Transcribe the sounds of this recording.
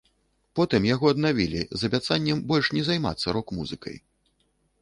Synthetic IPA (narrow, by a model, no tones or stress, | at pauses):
pɔt̪ɨmjaɣɔɐd̪navʲilʲḭzɐbʲat̪sanʲːɛmbɔlʲʂnʲɛzajma̰t̪sːɐɾɔkmṵzɨkɐ̰j